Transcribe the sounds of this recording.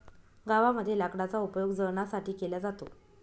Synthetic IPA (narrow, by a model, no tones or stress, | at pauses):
ɡaʋaməd̪ʱːjelakɽat͡saupjoɡd͡zəɾɳasaʈiːkelad͡zat̪o̰